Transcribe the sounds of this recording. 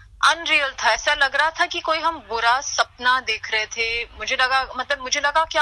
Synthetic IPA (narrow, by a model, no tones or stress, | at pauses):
ɐnɾijəlt̪ʰaɛːsalɐɡɾaat̪ʰakikoːiɦɐmbʊɾasɐpnad̪eːkʰɾəɦet̪ʰemʊd͡ʒʱelɐɡamɐt̪ləbmʊd͡ʒʱelɐɡakja